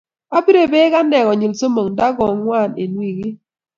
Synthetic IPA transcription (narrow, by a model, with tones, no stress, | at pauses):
a˦bi˦ɾe˨be˦ka˦nɛ˨ɣɔ˨ɲi˨lso˦mo˨ŋda˦ɡɔ˨ŋwa˦˨ne˨nwi˨ɡɪ˦